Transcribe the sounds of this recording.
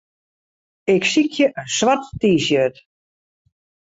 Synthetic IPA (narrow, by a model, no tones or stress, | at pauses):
ɪksikʰjəʔənswatːiːsjøt